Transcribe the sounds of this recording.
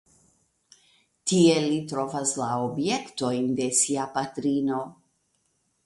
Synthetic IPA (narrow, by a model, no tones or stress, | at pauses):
tie̞litɾo̞vaslaobje̞kto̞jnde̞siapatɾino̞